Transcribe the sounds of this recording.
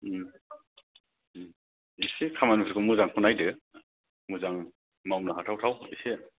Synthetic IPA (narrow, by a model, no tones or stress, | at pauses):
isekʰamanupʰsʰikʰɯmuzaŋkʰunajdɯ | muzaŋ | mawmnaɦatʰawtʰawise